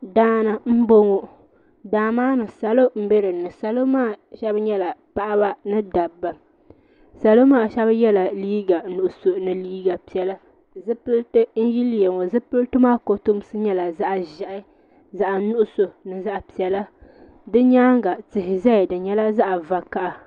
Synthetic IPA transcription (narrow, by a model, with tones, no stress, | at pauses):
daː˦na˨m̩˦bo˦ŋo˦ | daː˨maː˦nɨ˨sa˨lo˦m̩˦be˦ɾɨ˨nɨ˨sa˨lo˦maː˦˨ʃɛ˦bɲɛ˦la˨pa˦ʔa˦ba˦nɨ˦da˨bːa˨ | sa˨lo˦maː˦ʃɛ˦bjɛ˦la˨liː˦ɡa˨nʊ˨ʔʊ˨so˨nɨ˨liː˦ɡa˨pi˨ɛ˨la˦ | zɨ˦pɨ˦ltɨ˦n̩˦ji˦ljɛ˨ŋo˨zɨ˦pɨ˦ltɨ˦maː˦ko˨to˦m˦sɨ˦ɲɛ˦la˨za˦ʔʒɛ˨ʔɪ˦ | za˨ʔa˨nʊ˦ʔʊ˦so˨nɨ˨za˦ʔa˨pi˨ɛ˨la˦ | dɨ˦ɲaː˦ŋɡa˨tɪ˨ɦɪ˨zɛ˦˨dɨ˨ɲɛ˦la˦za˦ʔa˨va˨ka˦ʔa˨